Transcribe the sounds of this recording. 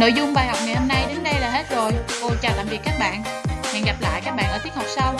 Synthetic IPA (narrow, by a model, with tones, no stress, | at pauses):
no̰˧˨jzʊ˧ŋ͡mɓaː˨˩jha˨˩wk͡p̚ŋa˨˩jhə˧mna˧jɗe˨˦nɗə˧jlaː˨˩ɦe˦˥t̚zo˨˩jko˧t͡ɕaː˧˩la̰ː˧˨mvi˨˩kaː˦˥k̚ɓa̰ː˧˨nmḭ˨˩nŋɣa˨˩p̚la̰ː˧˨jkaː˦˥k̚ɓaː˧˨ʔəː˧˩t̪ʰəha˨˩k͡p̚sa˧w